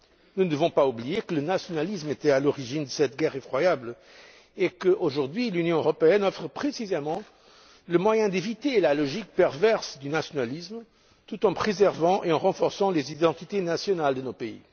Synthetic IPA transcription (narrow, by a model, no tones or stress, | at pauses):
nund̪əvɔ̃paubliekələnasjɔnalismet̪ɛalɔʁiʒind̪əsɛt̪ɡɛʁefχwajabl | ekəʔoʒuʁd̪ɥilynjɔ̃øʁɔpeɛnɔfʁəpχesizemɑ̃ | ləmwajɛ̃d̪evit̪elalɔʒik̚pɛʁvɛʁsd̪ynasjɔnalism | t̪ut̪ɑ̃pχezɛʁvɑ̃ʔeɑ̃ʁɑ̃fɔʁsɑ̃lezid̪ɑ̃t̪it̪enasjɔnald̪ənopeḭ